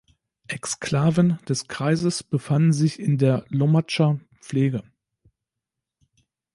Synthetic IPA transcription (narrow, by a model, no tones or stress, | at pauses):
ʔɛkskl̥aːvənd̥ɛskʁ̥aɪzəsb̥əfann̩zɪçɪndeːɐlɔmat͡ʃa | p͡fleːɡə